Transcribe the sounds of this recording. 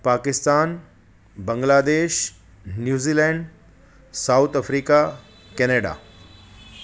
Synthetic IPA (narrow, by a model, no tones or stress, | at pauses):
paːkɪst̪aːn | bə̃ŋɡlaːd̪eːʃ | njuːziːlɛ̃ːɳɖ | saːwt̪ɐfɾiːka | kɛneːɖa̰ː